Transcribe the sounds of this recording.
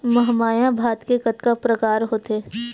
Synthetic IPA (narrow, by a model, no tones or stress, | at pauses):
mɐɦmaːjãbʱaːt̪kekət̪kapɾɐkaːɾɦoːt̪eː